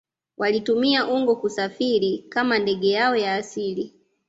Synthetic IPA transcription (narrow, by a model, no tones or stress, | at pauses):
wʔalitumiaʔuŋɡɔkusafiɾikamandɛɡɛjaɔjaːsili